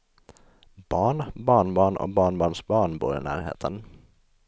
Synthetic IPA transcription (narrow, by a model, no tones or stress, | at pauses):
b̥ɑːɳbɑːɳbɑːɳɔ̰bɑːɳbɑːɳsbɑːɳbṵːɾɪnæ̰ːɾhḛːt̪ʰən